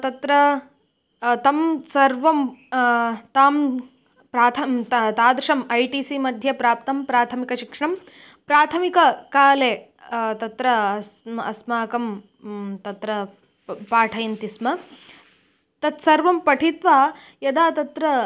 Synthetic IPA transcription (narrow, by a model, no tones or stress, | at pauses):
t̪ɐt̪ɾɐ | t̪ɐmsɐɾʋɐm | t̪aːm | pɾaːt̪ʰɐmt̪aːd̪ɾɐʂɐmɐjʈiːsimɐd̪ʱjɐpɾaːpt̪ɐmpɾaːt̪ʰɐmikɐʃikʂɐɳɐm | pɾaːt̪ʰɐmikɐkaːleː | t̪ɐt̪ɾɐɐɐ̰smaːkɐm | t̪ɐt̪ɾɐ | paːʈʰɐjɐnt̪ismɐ | t̪ɐt̪sɐɾʋɐmpɐʈʰit̪ʋaː | jɐd̪aːt̪ɐt̪ɾɐ